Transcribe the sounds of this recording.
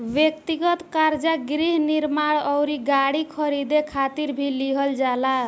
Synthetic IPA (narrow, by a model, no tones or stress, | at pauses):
bjek̚t̪iɡʌt̪kaɾd͡ʒaɡɾiɦniɾmaɽɔwɾiɡaɽikʰʌɾid̪ekʰat̪iɾbʱiliɦʌld͡ʒala